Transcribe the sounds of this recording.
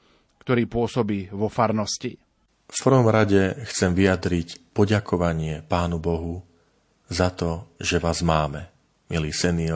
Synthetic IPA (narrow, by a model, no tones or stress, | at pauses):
kt̪ɔɾiːpʊɔsɔbiːʋɔfaɾnɔscḭ | fpr̩ʋɔmɾaɟɛxt͡sɛmʋijad̪ɾicpɔɟakʰɔʋaɲɪɛpaːnubɔɦu | zat̪ɔʒɛʋaːzmaːmɛ | miliːsɛniɔ